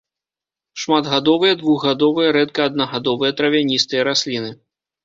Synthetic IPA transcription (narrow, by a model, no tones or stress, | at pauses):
ʂmad̪ɣad̪ɔvɨjɐd̪vuɣɣad̪ɔvɨjɐɾɛt̪kɐːd̪̚nɐɣad̪ɔvɨjɛt̪ɾɐvʲanʲist̪ɨjɐɾasʲlʲinɨ